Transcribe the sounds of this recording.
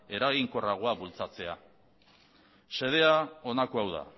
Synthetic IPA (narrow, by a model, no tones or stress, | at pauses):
e̞ɾaɣiŋko̞raɣ̞oaβult͡sat͡se̞a | se̞ð̞e̞ao̞nakoawða̰